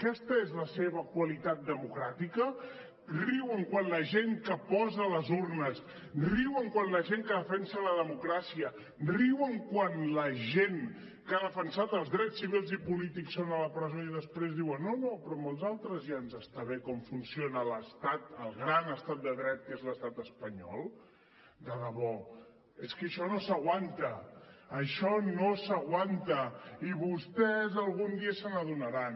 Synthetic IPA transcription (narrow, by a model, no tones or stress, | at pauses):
əkɛst̪əezləseβ̞əkwəlit̪at̪̚d̪əmukɾat̪ikə | riwəŋkwanləʒeŋkəpɔzələzurnəs | riwəŋkwanləʒeŋkəðəfɛnsələðəmukɾasiə | riwəŋkwanləʒeŋ | kaðəfənsat̪əlˠzðɾɛt͡ssːiβilˠzipulit̪iksːonələpɾəzoiðəspɾezðiwənːonopɾɔmolˠzalˠt̪ɾəzʒanzəst̪aβekɔmfunsijonələst̪at̪əlˠɣɾanəst̪at̪̚d̪əðɾɛt̪̚kezləst̪at̪əspəɲɔ̰lˠ | d̪aðəβɔ | eskəʃɔnosəɣwant̪əː | ʃɔnosəɣwant̪əiβust̪ɛzəlˠɣund̪iəsənəðunəɾan